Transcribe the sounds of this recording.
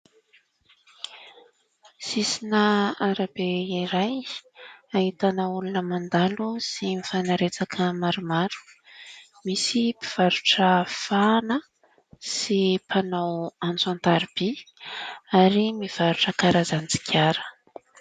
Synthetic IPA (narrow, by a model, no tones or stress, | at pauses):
sisinəaɾabeiɾaj | ait̪anəulunəmand̪alusimifanaɾet͡sakʰəmaɾumaɾu̥ | misipiv̥aɾuʈ͡ʂəfanə | sipʰanawant͡suant̪aɾub̥i | aɾimiv̥aɾuʈ͡ʂəkaɾazant͡si̥kʰʲaɾə̥